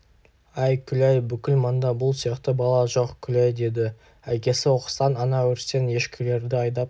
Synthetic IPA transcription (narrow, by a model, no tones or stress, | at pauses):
æjkʲʰʏlæjbʏkʲɪlmɑnd̪ɑbʊlˠsijɑqt̪əbɑlˠɑʒo̞qkʲʰʏlæjd̪e̞d̪ɪ | ækʲe̞sɪwo̞qə̥st̪ɑnɑnɑwʏɾse̞nje̞ʃkʲʰɪle̞ɾd̪ɪɑjd̪ɑp